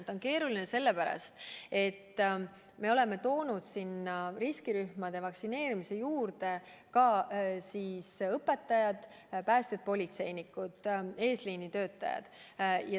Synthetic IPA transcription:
t̪ːˑo̞nke̞ːɾulinese̞lːe̞pæɾɑ̰st̪e̞t̪ː | me̞o̞le̞me̞t̪o̞ːnud̪̥sinːɑriskiɾyhmɑd̪̥e̞vɑksine̞ːɾimise̞juːrd̪e̞kɑsiːsɤpːe̞t̪ːˑɑjɑd̪̥ | pæːst̪ed̪̚po̞lʲit̪se̞jnikːˑud̪̥e̞ːsliːnit̪ø̞ːt̪ːˑɑ̰jɑ̰d̪̥jɑ

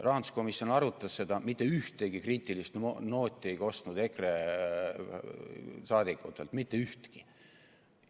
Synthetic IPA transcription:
rɑɑnd̪̥usko̞misjo̞nɑɾut̪ːˑɑsːe̞d̪ɑmit̪ːe̞yht̪eɡ̥ikriːt̪ʲːˑilist̪no̞ːt̪ʲːˑiejko̞st̪nud̪e̞kre | sɑːd̪ikːˑut̪ːˑelt̪mit̪ːˑe̞yht̪ki

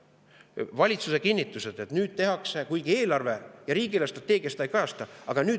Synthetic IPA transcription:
vɑlʲit̪suse̞kinʲːit̪ːˑuse̞d̪̥e̞t̪nyːd̪̥̚t̪e̞ɦɑksekujɡ̥ie̞ːlɑrve̞jɑɾiːɡ̥ilest̪rɑt̪ːˑe̞ːɡ̥ijɑst̪ɑjkɑjɑst̪ɑɑɡ̥ɑnyː

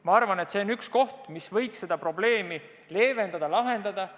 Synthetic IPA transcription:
mɑɑrvɑne̞t̪se̞onyksko̞ht̪misvɤ̞jksse̞d̪̥ɑpro̞ble̞ːmi | le̞ːve̞nd̪ɑd̪ɑlɑɦe̞nd̪ɑd̪̥ɑ

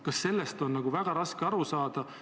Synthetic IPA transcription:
kɑsːe̞lːest̪o̞nːnɑɡ̥uvæɡ̥ɑɾɑskeɑɾusɑːd̪̥ɑ

